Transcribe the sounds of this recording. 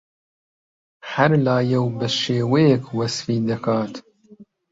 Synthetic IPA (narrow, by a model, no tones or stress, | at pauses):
hɐɾlaːjɛwbɨʃeːwejɛkwɐsfiːd̪ɐkʰɑːt̪